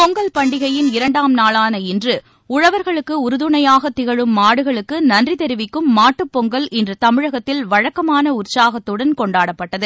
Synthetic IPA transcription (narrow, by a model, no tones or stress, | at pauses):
pɔŋɡɐlpɐɳɖɪɣɐjɪnɪɾɐɳɖaːmnaːlaːnɐɪndrɯ | ʊɻɐʋɐɾɣɐɭɯkːɯʊɾɯðɯɳɐjaːɣɐt̪ɪɣɐɻɯmːaːɽɯɣɐɭɯkːɯnɐndrit̪ɛɾɪʋɪkːɯmːaːʈːɯpːɔŋɡɐlɛndrɯt̪ɐmɪɻɐɣɐt̪ːɪlʋɐɻɐkːɐmaːnɐʊrsaːɣɐt̪ːɯɽɐnkɔɳɖaːɽɐpːɐʈːɐðɯ